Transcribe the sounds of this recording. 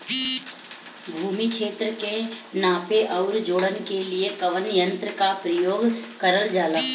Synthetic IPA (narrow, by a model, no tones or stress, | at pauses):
bʱuːmikʃeːt̪ɾəkenaːpeʔɐʊɾd͡ʒoːɽənkeliekɐʋənjə̃nt̪ɾəkapɾəjoːɡkəɾəld͡ʒaːlaː